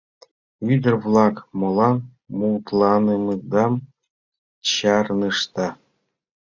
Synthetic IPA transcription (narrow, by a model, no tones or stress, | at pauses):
yd̪ɘ̆rvlˠɑkmŏlˠɑn | muwt̪lˠɑnɯmɯd̪ɑm | ɕɑrnɯʂt̪ɑ